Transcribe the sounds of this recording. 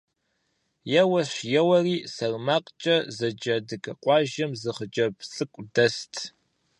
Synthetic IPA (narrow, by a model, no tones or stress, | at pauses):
jɛwɐɕjɛwɐriːsɐrmaːqʼt͡ʃʼɐzɐd͡ʒɐdɨkʰɐqʷʼɑːʒɐmzɨχəd͡ʒʼɐpɬʼɨkʷʼdɐstʰ